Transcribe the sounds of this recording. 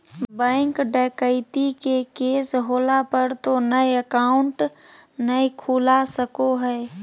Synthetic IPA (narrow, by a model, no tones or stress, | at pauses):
bɛ̃ːŋkɖəːkəɪt̪ikekeːsɦoːlapəɾt̪onəjəkaːʊɳʈnəikʰuːlasəkoɦɛː